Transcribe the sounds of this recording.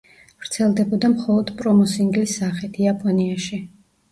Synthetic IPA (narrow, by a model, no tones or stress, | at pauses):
v̥ɾt̪sʰɛlˠd̪ɛbɔd̪amχɔlˠɔd̪̥pʼɾɔmɔsiŋɡlisaχit̪ʰiapʼɔniaʃi